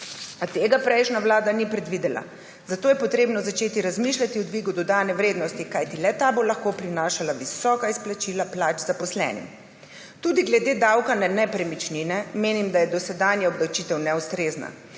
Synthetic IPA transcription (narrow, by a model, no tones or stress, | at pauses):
at̪eːɡapɾɛjʃnaʋlaːd̪anipɾɛd̪ʋid̪ɛla̰ | zat̪oːjɛpɔt̪ɾeːbnɔzat͡ʃeːt̪iɾazmiʃlʲat̪iud̪ʋiːɡud̪ɔd̪aːnɛʋɾeːd̪nɔst̪ikajt̪ilɛt̪abolaxkopɾinaːʃalaʋisɔːkaisplat͡ʃiːlaplaːt͡ʃzapɔslɛ̰ːnḭm | t̪uːd̪iɡlɛd̪eːd̪awkanɛnɛpɾɛmit͡ʃninɛmeːnimd̪ajɛd̪ɔsɛd̪aːnjaɔbd̪awt͡ʃiːt̪ɛwnɛust̪ɾeːzna̰